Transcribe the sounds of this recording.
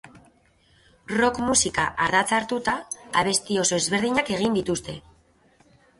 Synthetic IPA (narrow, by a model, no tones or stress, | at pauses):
ro̞kmusika̰ʔaɾðat͡saɾt̪ut̪aaβe̞st̪io̞so̞e̞zβe̞ɾð̞iɲake̞ɣ̞ind̪it̪ust̪e̞